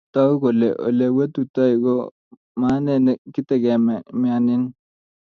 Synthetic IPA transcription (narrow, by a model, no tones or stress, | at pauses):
t̪auɡolḛʔo̰lewet̪ut̪aɡo | maːnenekit̪eɡemmaːnin